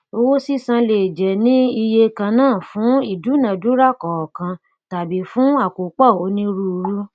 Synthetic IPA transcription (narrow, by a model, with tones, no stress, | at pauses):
o˧wo˦si˦˨sã˧le˨d͡ʒɛ˨nĩ˦i˧je˧kã˧nãː˦˨fũ˨˦i˦˨du˨˦nã˨du˦ɾa˦˨kɔ˨ɔ˨kã˧ | ta˨bi˨˦fũ˦a˦˨ko˨k͡pɔ˦˨o˨˦nĩ˦ɾu˦˧ɾu˦